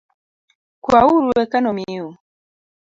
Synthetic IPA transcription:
kwauɾuɛkanɔmiu

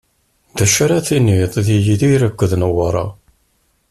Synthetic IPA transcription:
ðæʃɾaθinːiðˤðijiðiɾækʷːðnəwɑɾˤɑ̰

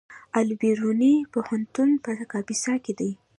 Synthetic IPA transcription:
albiɾunipohant̪unpəkɑbisɑked̪aj

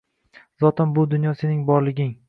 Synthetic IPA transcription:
zɒt̪ʰɪnbʊd̪ʊnjɒse̞nɪŋbɒɾlɪɡʲɪŋ

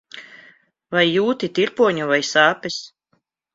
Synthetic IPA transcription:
vajːuːt̪it̪iɾpuɔɲuvajsaːpis

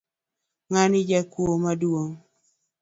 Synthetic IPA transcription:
ŋanɪd͡ʒakwomadwoŋ

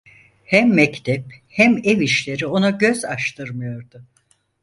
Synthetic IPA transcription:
hæmːɛct̪ʰɛphæmeviʃlʲe̞ɾio̞naɟø̞zaʃt̪ʰɯɾmɯjo̞ɾd̪ʊ

